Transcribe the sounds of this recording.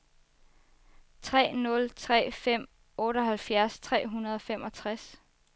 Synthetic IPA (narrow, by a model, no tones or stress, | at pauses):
t͡sʰʁɛ̰ːnɔ̽lt͡sʰʁɛ̰ːfem̰ | ɔ̽ːɾ̥ɒ̽ɦælfjæɐst͡sʰʁɛ̰ːɦunɐð̞ˠɒ̽femɒ̽t͡sʰʁas